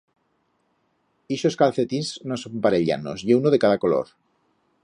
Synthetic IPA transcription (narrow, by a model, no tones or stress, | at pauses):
iʃo̞skalθe̞t̪inznosompaɾeʎa̰no̰sʎeunoðe̞kaðako̞lo̰ɾ